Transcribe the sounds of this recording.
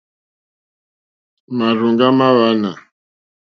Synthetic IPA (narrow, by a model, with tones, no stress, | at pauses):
ma˨ɾu˨ŋɡa˦ma˦βa˦na˨